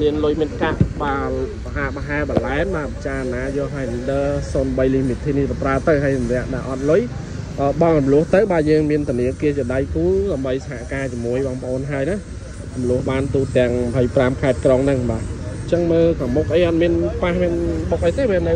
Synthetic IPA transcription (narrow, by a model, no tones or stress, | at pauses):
miənlʊjmiənkaʔɓaːlpaɦaːɓaɦaɛɓalaɛmɓaːt͡ɕaːnaːjɔɦaəjnɨnɗəːsoːnɓəjlimit̪ʰiːnihp̪apraət̪ɨwɦajmnɛ̆əʔɗaʔɑt̪̚lʊj | ʔəːɓɑŋrɔmlʊ̆əht̪ɨwɓaːjəːŋmiənt̪ʊ̆niəkiət͡ɕiəɗajkuːɗaəmɓəjsaɦaʔkaːt͡ɕiəmuəjɓɑːŋpə̆ʔoːnɦaəjna | rumlʊ̆əhɓaːnt̪uːt̪ɛ̆əŋməpʰəjpramkʰaɛt̪̚kroŋnɨŋɓaːt͡ɕəŋməːlkamuk̚ʔəjʔɑt̪̚miənpahmiənɓuk̚ʔəjt̪eːʋiənɨw